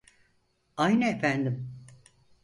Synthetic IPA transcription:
ajnɛefænd̪im

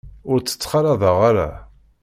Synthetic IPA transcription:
ʊɾt͡sːə̥t͡sːχɑɾɑðˤɑʁaɾa̰

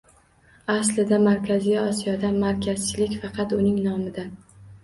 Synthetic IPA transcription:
aslɪd̪amaɾkʲʰazijɒsijɒd̪amaɾkʲʰaz̥t͡ʃʰɪlɪkʲfɑqʰɑt̪ʊnɪŋnɒmɪd̪a

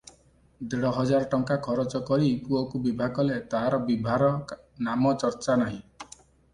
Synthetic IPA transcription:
d̪eɽɔɦɔd͡ʒaɾɔʈɔŋkakʰɔɾɔt͡ʃɔkɔɾipuɔkubibʱaɡɔlet̪aɦaɾɔbibʱaɾɔ | namɔt͡ʃɔɾt͡ʃanaɦĩ

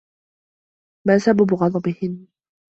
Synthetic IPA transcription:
maːsababʊɣɑd̪ˤɑbɪhɪnː

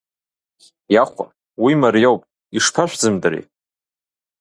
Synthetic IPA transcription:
jaχʷa̰ | wimaɾjowpʼ | iʂpʰaʃʷᶣd͡zɨmdɨɾḛ

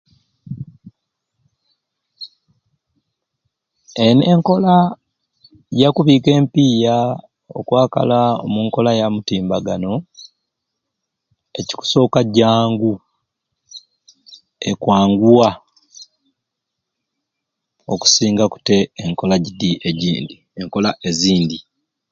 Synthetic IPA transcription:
eneŋko̞la | jakuβiːke̞ːmpiːja | o̞̰kwaːka̰lao̰muŋko̞lajamutiːmbaɡano̞ | e̞ci̥ku̥so̞ːkaɟaːŋɡu | e̞kwaːŋɡuwa | o̞ku̥siːŋɡaku̥te̞ːŋko̞laɟidiʔeɟḭːndi | eŋko̞laʔe̞ziːndi

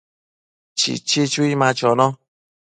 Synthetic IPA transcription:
t͡ʃḭt͡ʃet͡ʃuimãt͡ʃɔnɔ̃

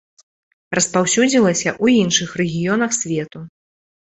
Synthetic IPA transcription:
rɐspawsʲud͡zʲilˠɐsʲɐʔuinʂɨxrɛɣʲijɔnɐxsʲvʲɛt̪u

